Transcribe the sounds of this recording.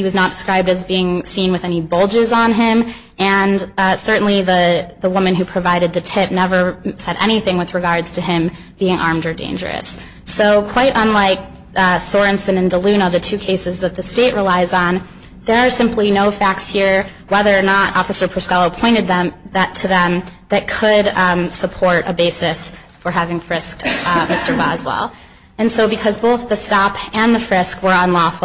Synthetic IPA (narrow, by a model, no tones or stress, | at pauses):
hiwʌznət̚d̥skɹaɪb̚dɨzbiɪ̃ŋsĩnwɨðɛñibolˠd͡ʒɨzn̩ɪ̃m | ɨ̃nsɜ˞ʔn̩liðɨðəwʊmɨ̃nɦʉpʰɹ̥ɨvaɪɾɨd̪̚ðɨtʰɪp̚nɛvə˞sɛɾʔɛ̰ɾ̃iθɪ̃ŋwɨðɹɨɡɑɹdz̥tʰɨɪ̃m | b̥iɪ̃ŋʔɑ̰ɹmdə˞dḛ̃ɪ̃nd͡ʒə̰˞ɨ̰sː | oʊkʰw̥aɪɾʔə̃nlaɪk̚ | sɔɹɨ̃nsɨ̃nɨ̃ndəlʉ̃nəðɨtʰʉkʰeɪsɨzðɨt̪̚ðɨsteɪʔɹʔilaɪzn̩ | ðə˞ːsɪ̃mplinoʊfæk̚tshiɹ | wɛðə˞ːnəɾɔ̰fɨsə˞pʰə˞skɑlˠəʊpʰɔ̃ɪ̃ɾ̃ɨd̪̚ðɨ̃mðɨtʰɨðɨ̃mðɨt̚kʰɨɾsəpʰɔɹɾɨbeɪsɨs | fə˞ɦævɪ̃ŋfɹɪsk̚tmɪstə˞bɑzwɛ̰lˠ | ɨ̃nsoʊbɨkʰʌzboʊθðɨstɑpɨ̃nðɨfɹɪskwə˞ə̃nlɔf